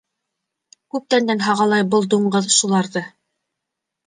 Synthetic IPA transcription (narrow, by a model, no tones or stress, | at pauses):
kʉp̚t̪ænd̪ænɦɑʁɑlˠɑjbɤlˠd̪uɴɢɤðʃulˠɑɾðɤ